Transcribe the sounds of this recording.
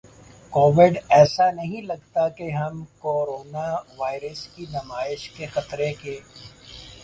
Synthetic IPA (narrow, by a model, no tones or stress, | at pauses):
koːʋɪɖɛːsanɐɦĩlɐɡt̪akeɦɐmkoːɾoːnaʋaːɪɾəskinɐmaːɪʃkexɐt̪ɾekeː